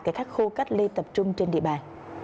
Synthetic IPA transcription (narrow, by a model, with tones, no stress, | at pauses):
kaː˨˦xaː˦˥k̚xu˧ka˦˥k̚li˧t̪ə˨˩p̚t͡ɕʊ˧ŋ͡mt͡ɕe˧nɗḭ˧˨əɓaː˨˩n